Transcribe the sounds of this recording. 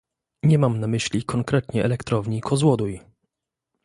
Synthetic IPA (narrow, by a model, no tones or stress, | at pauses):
ɲɛmamnamɘɕlʲikʰɔŋkɾɛt̪ɲɛʔɛlɛkt̪ɾɔvɲikʰɔzwɔd̪uj